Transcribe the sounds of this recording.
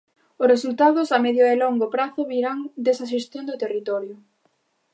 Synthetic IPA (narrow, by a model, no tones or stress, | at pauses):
ʊsresult̪aðʊsameðjʊeloŋɡopɾaθʊβiɾaŋd̪esaʃ̬est̪jond̪ʊt̪erit̪ɔɾjʊ